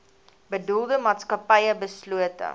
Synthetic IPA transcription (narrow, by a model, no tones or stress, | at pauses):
bədulˠdəmɑːtskɐpɐjəbəsluətə̰